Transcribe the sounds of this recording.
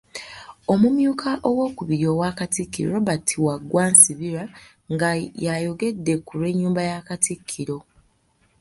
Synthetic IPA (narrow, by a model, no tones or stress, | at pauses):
o̞mumjuːkʰaʔowo̞ːkuβiɾjo̞waːkatikːḭɾo̞βatʰiwaɡːwaːnsiβiɾa | ŋɡajajo̞ɡe̞dːe̞kuɾe̞ɲːuːmbajakatikʰːiɾo̞